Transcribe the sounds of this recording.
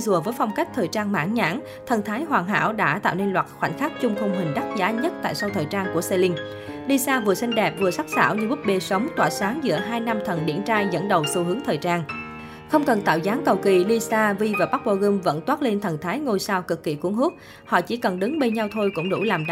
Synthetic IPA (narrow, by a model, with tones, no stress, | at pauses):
zu˨˩əvəː˨˦jfa˧wŋ͡mka˦˥k̟̚t̪ʰəː˨˩jt͡ɕaː˧nma̰ː˧˥nɲa̰ː˧˥ŋ | t̪ʰə˨˩nt̪ʰaː˨˦jɦwaː˨˩ŋɦa̰ː˧˥wɗa̰ː˧˥t̪a̰ː˧˨wne˧nlwaː˨˩t̚xwa̰˧˩jŋ̟xa˦˥k̚t͡ɕʊ˧ŋ͡mt̪ʰə˧ŋ͡mɦï˨˩ŋ̟ɗa˦˥t̚zaː˨˦ɲə˦˥t̚t̪a̰ː˧˨jsa˧wt̪ʰəː˨˩jt͡ɕaː˧nku˧˩əse˧lï˧ŋ̟ | li˧saː˧vɨ˨˩əsa˧jŋ̟ɗɛ˨˩p̚vɨ˨˩əsa˦˥t̚sa̰ː˧˩wɲɨ˧ɓɨ˦˥t̚ɓe˧sə˨˦wŋ͡mt̪wa̰ː˧˩saː˨˦ŋzɨ̰˧˥əɦaː˧jna˧mt̪ʰə˨˩nɗḭ˧˩ənt͡ɕaː˧jzə̰˧˥nɗə˨˩wsu˧ɦɨ˨˦əŋt̪ʰəː˨˩jt͡ɕaː˧n | xə˧wŋ͡mkə˨˩nt̪a̰ː˧˨wzaː˨˦ŋkə˨˩wkḭ˧˩li˧saː˧vi˧vaː˨˩ɓa˦˥k̚ɓo˧ɣɨ˧mvə̰˧˥nt̪waː˦˥t̚le˧nt̪ʰə˨˩nt̪ʰaː˨˦jŋo˧jsaː˧wkɨ˨˩kːḭ˧˩ku˨˧˩əŋɦu˦˥t̚ | hɔ̰˧˨t͡ɕi˧˩kə˨˩nɗɨ˨˦ŋɓe˧nɲa˧wt̪ʰo˧jkʊ̰˧˥ŋ͡mɗṵ˧˩laː˨˩mɗ